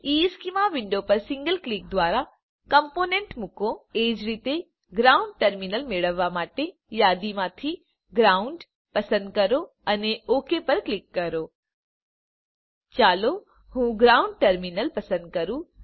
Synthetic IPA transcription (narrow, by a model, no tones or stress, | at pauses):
iːskimaʋɪ̃ɳɖopɐɾsɪ̃ŋɡəlklik̚d̪ʋaːɾa | kɐmpoːnẽɳʈmʊkõeːd͡ʑɾit̪e | ɡɾaːʊ̃ɳɖ̚ʈɐɾminəlmeɭəʋamaːʈe | jaːd̪imãt̪ʰi | ɡɾaːʊɳɖ | pɐsə̃nd̪̚kɐɾo | ɐneoːkepɐɾklɪkːɐɾoː | t͡ɕaːlo | hũːɡɾaːʊ̃ɳɖ̚ʈɐɾminəlpɐsə̃nd̪̚kɐɾũː